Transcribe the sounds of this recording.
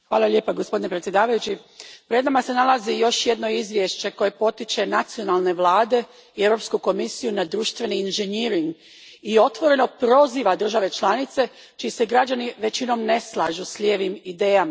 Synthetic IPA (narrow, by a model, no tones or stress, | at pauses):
xʋaːlˠaljeːpaɡospo̞d̪inepɾet̪sjed̪aːʋajut͡ɕi | pɾe̞d̪namase̞nalˠazijo̞ʃje̞d̪no̞izʋje̞ʃt͡ɕe̞ko̞je̞po̞t̪it͡ʃe̞nat̪sio̞nalˠne̞ʋlˠaːd̪e̞ | ieʋɾo̞pskuko̞misijunad̪ɾuːʃt̪ʋe̞niːnʒeniɾiŋɡ | io̞t̪ʋo̞ɾe̞no̞pɾo̞ziːʋad̪r̩ʒaʋe̞t͡ʃlˠanit̪se̞ | t͡ʃiːseɡɾad͡ʑaniʋe̞t͡ɕino̞mne̞slˠaːʒusʎʲeːʋimid̪e̞ːjama